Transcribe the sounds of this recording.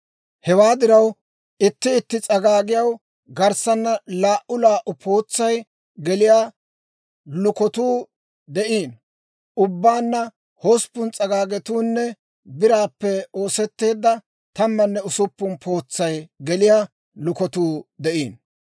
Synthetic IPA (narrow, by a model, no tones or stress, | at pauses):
hɛwaːd̪ɪɾɐw | ɪt̪ːɪːt̪ːɪt͡sʼɐɡaːɡɪjɐw | ɡɐɾsɐnːɐlaːʔʊlaːʔʊpʰo̞ːt͡sːɐj | ɡɛlɪjaː | lʊkɔt̪uː | d̪ɛʔiːn | ʔʊbːaːnːɐ | hospːʊnt͡sʼɐɡaːɡɛt̪uːnːɛ | bɪɾaːpːɛoːsɛt̪ːe̞ːd̪ːɐ | t̪ɐmːɐnːɛʊsʊpːʊnpʰo̞ːt͡sːɐjɡɛlɪjaː | lʊkɔt̪uːd̪ɛʔiːn